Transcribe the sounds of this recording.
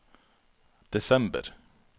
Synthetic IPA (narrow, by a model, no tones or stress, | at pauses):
d̪̥ɛsɛmbə̰ɾ